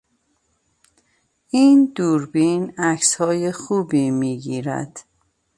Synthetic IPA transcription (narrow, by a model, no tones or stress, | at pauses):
iːnd̪uːɾbiːnæcshɒːjexuːbiːmiːɟiːɾæ̰d̪̥